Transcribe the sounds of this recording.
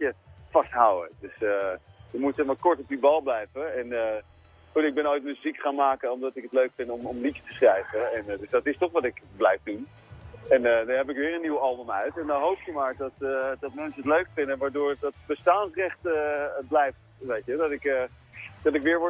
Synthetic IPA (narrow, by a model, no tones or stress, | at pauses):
əfɑstɦawə̰dɵsəjəmutsɛχmaːɹkɔɹtɔp̚dibɑlˠblɛjvəɛnə | χutɪɡ̚bɛnojtməzikχaːnmaːkənɔmdɑtɪkətløɥkfɪntɔmɔmlitə̥təsrɛjvəɛndɵzdɑtɪstɔχʋɑtɪkblɛjfdun | ɛnədɑnɦɛpɪkʋɪːɹənːiwɑlˠbəmœɥtɛndɑnɦowptumaːɹdɑtdɑtmɛnsəətløɥkfɪndənʋaːɹdʊːɹdɑtbəstaːnsrɛχtəblɛjftʋejtədɑtɪkə | d̥ɑtɪkʋɪːɹʋɔ